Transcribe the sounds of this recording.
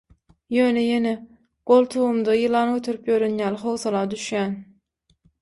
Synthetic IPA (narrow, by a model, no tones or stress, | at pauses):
jø̞ːnejene | ɡ̥o̞lˠt̪ʰuwumd̪ɑjɯlˠɑːnɡøt̪ʰyɾypjøɾynjæːlχowθɑlˠɑːd̪yʃjæːn